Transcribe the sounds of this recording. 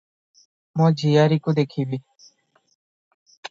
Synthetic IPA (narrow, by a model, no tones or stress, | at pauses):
mãːd͡ʒʱiːjaːɾiːkod̪eːkʰiːbiː